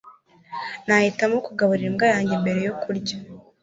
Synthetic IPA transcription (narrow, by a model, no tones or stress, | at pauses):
nahitamokuɡaβuɾiɾimɡajaːɲɟembe̞ɾe̞jokuɾɟa